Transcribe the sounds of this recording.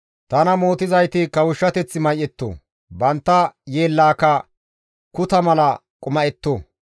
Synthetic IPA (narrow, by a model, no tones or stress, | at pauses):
t̪ɐnɐmoːt̪ɪzɐjt̪ɪkɐwʊʃːɐt̪ɛt͡sːɪmɐjʔːɛt̪ːo̰ː | bɐnt̪ːɐjeːlːaːkɐ | kʊt̪ɐmɐlɐ | kʼʊmɐɛt̪ːoː